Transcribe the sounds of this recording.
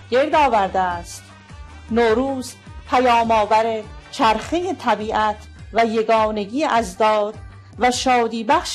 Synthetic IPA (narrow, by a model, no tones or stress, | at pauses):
ɡ̥eɾd̪ɒːvæɾd̪eæst̪ | noːɾuːzpʰæjɒːmɒːvæɾet͡ʃʰæɾχejet̪ʰæbiːʔæt̪ʰvæje̞ɡɒːne̞ɡiːʔæzd̪ɒːd̪ | væʃɒːd̪iːbæχʃ